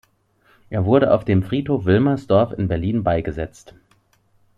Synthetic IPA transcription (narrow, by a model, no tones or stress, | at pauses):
ʔeːɐvʊɐɾəʔa̰ʊfd̥eːmfʁ̥iːthoːfv̥ɪlmɐsd̥ɔɐfɪnbɛɐliːnbaɪɡəzɛt͡st